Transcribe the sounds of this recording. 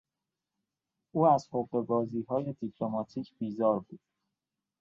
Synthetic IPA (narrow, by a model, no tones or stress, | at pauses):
ʔuːæz̥hoʁe̞bɒːziːɦɒːje̞d̪ipʰlo̞mɒːt̪ʰiːcʰb̥iːzɒːɾbuːd̪̥